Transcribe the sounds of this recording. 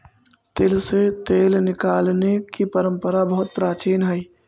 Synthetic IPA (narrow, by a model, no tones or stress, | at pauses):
t̪eːlset̪eːlnɪkaːlnekipəɾə̃mpəɾabəɦʊt̪̚pɾaːt͡ʃiːnɦɛj